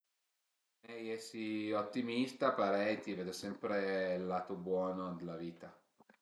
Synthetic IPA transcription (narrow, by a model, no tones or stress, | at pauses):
mɛjɛsiot̪ːimist̪apaɾɛjt̪iveːd̪osɛmpɾelːat̪obwɔːnod̪elːaviːt̪a